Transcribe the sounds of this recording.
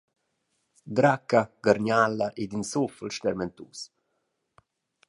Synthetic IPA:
d̪ɾakːaɡaɾɲalːaʔed̪insufəlʃt̪ɛɾmɛnt̪ṵːs

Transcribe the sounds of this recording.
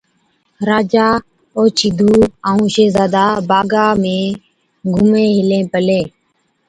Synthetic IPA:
ɾaːd͡ʒaː | oːt͡ʃʰiːd̪ʱuːaːũːʃeːzaːd̪aːbaːɡaːmẽː | ɡʱʊmẽːɦɪlẽːpəleː

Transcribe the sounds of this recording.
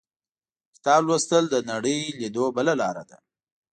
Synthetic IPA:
xt̪ɑlwast̪əld̪ənaɽəjlid̪obəlalɑɾa̰d̪a̰

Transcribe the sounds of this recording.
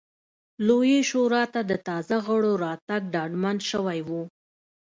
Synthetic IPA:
lojeʃoɾɑt̪ad̪ət̪ɑzaɣəɽoɾɑt̪aɡ̚ɖɑɖmanʃəwajwu

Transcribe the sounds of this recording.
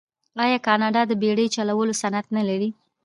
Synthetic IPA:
ɑjɑkɑnɑɖɑd̪əbeɽəjt͡ʃalawəlosanat̪nalaɾi

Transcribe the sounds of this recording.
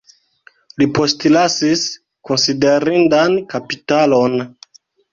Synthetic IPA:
lipo̞stlasis | ko̞nside̞ɾindankapitalon

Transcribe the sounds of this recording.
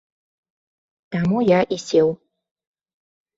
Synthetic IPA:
t̪amujaʔisʲew

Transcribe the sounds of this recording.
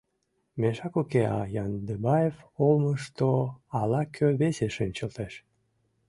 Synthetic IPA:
meʃɑkukeɑ̰jɑnd̪ebɑjevoməʃt̪oɑlɑkʰøβeseʃenʲt͡ɕəlt̪eʃ

